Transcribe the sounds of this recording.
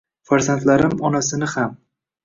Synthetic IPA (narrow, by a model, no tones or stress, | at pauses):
faɾzant̪laɾɪmɒnasɪnɪham